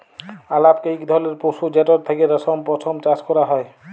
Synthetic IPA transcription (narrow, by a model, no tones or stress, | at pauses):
alap̚kejkd̪ʱɔleɾposud͡ʒɛtɔɾt̪ʰakeɾɔsɔmpɔt̪ʰɔmt͡ʃaskɔɾaɦɔj